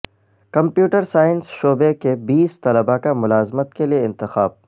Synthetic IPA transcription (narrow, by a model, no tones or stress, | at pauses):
kɐ̃mpjuːʈəɾsaːɪnsʃoːbekebiːst̪ɐləbakamʊlaːzmət̪kelieɪ̃nt̪ɪxaːb̚